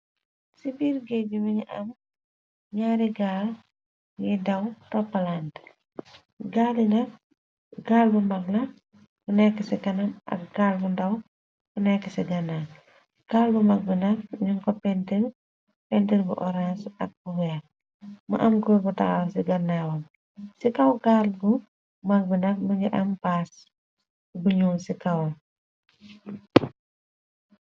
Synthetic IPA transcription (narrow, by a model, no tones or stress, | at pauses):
sibiːɾɡɛumiɲiʔɐm | ɲaːɾiɡaːl | jɛdɐwtɔpːɐlaːnt | ɡaːlinɐk | ɡaːlbumɐklɐ | bunɛkːɐsɛkɐnɐmɐ̰kɡaːlbundɐw | bunɛkːɛsɛɡɐnːa | ɡaːlbumɐk̚binɐk̚ɲuŋkɔpɛntil | pɛntilbuʔɔɾansɐ̰k̚buwɛːk̚ | mɐ̰ʔɐmkobutɐkɐwsiɡɐnːaːwɐm | sikɐwkaːlbu | mɐk̚binɐk̚mɐɡiʔɐmpaːs | buɲuːsikɐwɐ